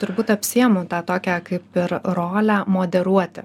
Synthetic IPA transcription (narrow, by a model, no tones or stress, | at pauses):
t̪ʊɾbuːt̪ɐpʲsʲiɛmʊt̪ɑːt̪oːkʲækɐɪpɪɾɾoːlʲæmoːd̪ʲɛɾuɔtt̪ʲɪ